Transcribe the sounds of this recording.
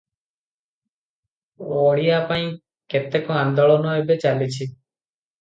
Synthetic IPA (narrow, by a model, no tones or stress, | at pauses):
ɔɽiapaĩ | ket̪ekoand̪ɔɭɔnɔebet͡ʃalit͡ʃʰi